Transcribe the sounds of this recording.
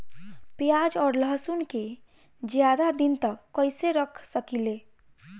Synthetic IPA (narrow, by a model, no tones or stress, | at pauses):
pjad͡ʒɔːɾləɦsunke | d͡ʒjad̪ad̪int̪əkːəjseɾəkʰsəkile